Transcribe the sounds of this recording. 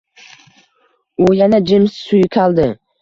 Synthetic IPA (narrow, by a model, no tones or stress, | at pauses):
ʊjanad͡ʒɪmssʊjkʲʰalˠd̪ɪ